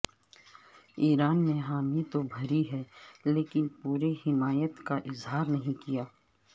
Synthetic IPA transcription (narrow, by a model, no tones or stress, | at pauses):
iːɾaːnːeɦaːmit̪obʱɐɾiɦɛːleːkɪnpuːɾehɪmaːjət̪kaʔɪzɦaːɾnɐɦĩkijaː